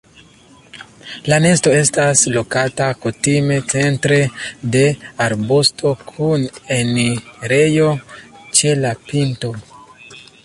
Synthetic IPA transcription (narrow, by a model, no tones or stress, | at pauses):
lane̞sto̞e̞staslo̞katakutime̞t͡se̞ntɾe̞de̞aɾbustʰo̞kʰuneniɾe̞jo̞t͡ʃe̞lapinto̞